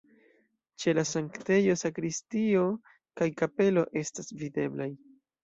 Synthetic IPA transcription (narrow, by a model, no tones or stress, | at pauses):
t͡ʃe̞lasaŋkte̞jo̞sakɾistio̞ | kajkape̞lo̞ʔe̞stasvide̞̰blaj